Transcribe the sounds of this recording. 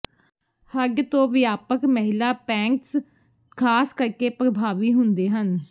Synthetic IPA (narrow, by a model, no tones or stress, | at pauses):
həɡt̪õːʋɪjaːpəkməɦɪlaːpɛ̃ːŋks | kʰaːskəɾkeːpɾəbʱaːʋiːɦʊnd̪eːɦən